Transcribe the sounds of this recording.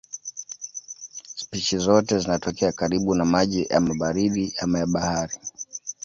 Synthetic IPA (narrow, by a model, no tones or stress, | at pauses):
spiʃizɔtɛzinatɔkɛakaɾiɓunamaʄija̰maɓaɾiɗiamajaɓahaɾi